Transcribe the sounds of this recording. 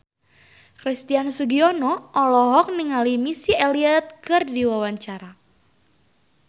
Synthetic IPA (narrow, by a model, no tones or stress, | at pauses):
kɾist̪iansuɡiɔnɔʔɔlɔɦɔk̚niŋalimisieliɛt̪̚kɨrdiwawaɲt͡ʃaɾa